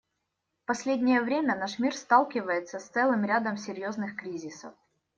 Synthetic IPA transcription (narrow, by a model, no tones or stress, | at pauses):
pɐsʲlʲedʲnʲɪjəvɾʲemʲənaʂmʲirst̪alˠkʲɪvəjɪt̪səst̪sɛlˠɨmɾʲad̪əmsʲɪɾʲjoznɨxkɾʲizʲɪsə̰f